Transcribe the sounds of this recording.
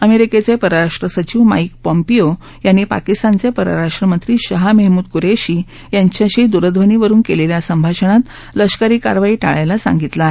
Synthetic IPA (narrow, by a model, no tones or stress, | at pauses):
əmeɾiket͡sepəɾəɾaʂʈɾəsət͡ɕiʋma̰ik̚pəmpio | janːiːpa̰kist̪ant͡sepəɾə̰ɾaʂʈɾəmənt̪ɾiːɕəɦameɦmuːd̪kuɾeɕiː | jaɲt͡ɕjaɕiːd̪uɾəd̪ʱʋəniʋəɾuːnkeleljasəmbʱaɕəɳ̃at̪ | ləɕkəɾiːka̰ɾʋaiːʈa̰ɭajlasã̰ŋɡit̪la